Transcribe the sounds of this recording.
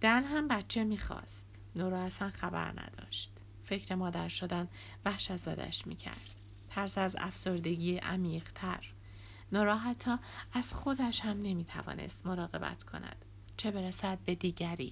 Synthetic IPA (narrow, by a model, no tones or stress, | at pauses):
d̪̥ænɦæmbæt̪t͡ʃʰe̞miːxɒ̰ːst̪ | nɒːɾɒːhæsænxæbæ̰ɾnæ̰d̪̥ɒ̰ːʃt̪ | fe̞cʰɾe̞mɒːd̪æɾʃod̪æn | væhʃæt̪zɒ̰d̪æ̰ʃmḭːcʰæ̰ɾd̪̥ | t̪ʰæɾsæzæ̰fso̞ɾd̪e̞ɟiːʔæmiːɢt̪ʰæɾ | nɒːɾɒːɦæt̪ʰːɒːæz̥xo̞d̪æʃhæmne̞miːt̪ʰæ̰vɒ̰ːne̞̰st̪mo̞ɾɒːɣe̞̰bæ̰t̪ʰkʰo̞̰næ̰d̪̥ | t͡ʃʰe̞be̞ɾæsæd̪̚be̞d̪iːɟæɾḭː